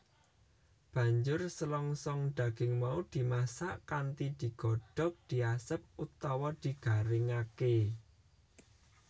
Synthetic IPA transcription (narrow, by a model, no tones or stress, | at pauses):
b̥ä̤ɲd͡ʒʊrsəlɔŋsɔŋɖ̪̥ä̤ɡ̥ɪŋmaud̪̥i̤masaʔkant̪id̪̥i̤ɡ̥ɔ̤ɖ̥ɔ̤k̚d̪̥i̤asəp̚ut̪ɔwɔd̪̥i̤ɡ̥a̤ɾɪŋake